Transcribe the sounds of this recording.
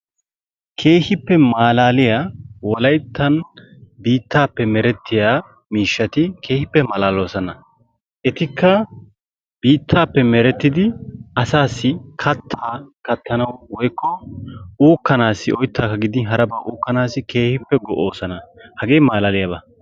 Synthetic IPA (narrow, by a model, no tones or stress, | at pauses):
kʰe̞ːhɪpːɛmaːlaːlɪjaːwɔlɐjt̪ːɐnbiːt̪ʰːaːpːɛmɛɾɛt̪ʰːɪjaː | miːʃːɐt̪ɪkʰe̞ːhɪpːɛmɐlaːlo̞ːsɐnɐ | ʔɛt̪ɪkʰːɐ | biːt̪ʰːaːpːɛmɛɾɛt̪ːɪd̪ɪɐsaːsːɪkʰɐt̪ʰːaːkɐt̪ʰːɐnɐwwɔjkːɔuːkːɐnaːsɪʔɔjt̪ʰːaːkɐɡɪd̪ɪɦɐɾɐbaːʔuːkːɐnaːsɪke̞ːhɪpːɛɡɔʔoːsɐnɐhɐɡe̞ːmaːlaːlɪjɐbɐ